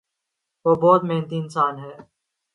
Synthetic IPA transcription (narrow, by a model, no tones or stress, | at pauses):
ʋoːbɔːt̪meɦnt̪iɪnsaːnɦɛː